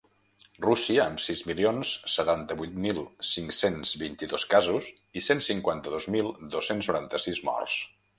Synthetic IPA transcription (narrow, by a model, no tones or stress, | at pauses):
rusiəːmsizmilionsːət̪ant̪əβujt̪milˠsiŋksenzβint̪iðoskazuz | isensiŋkwant̪əðozmilˠd̪osensnuɾant̪əsizmɔ̰rs